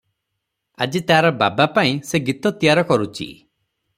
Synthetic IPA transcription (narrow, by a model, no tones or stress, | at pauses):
a̰d͡ʒit̪aaɾɔba̰bapaĩseɡit̪ɔt̪ijaɾɔkɔɾut͡ʃʰḭ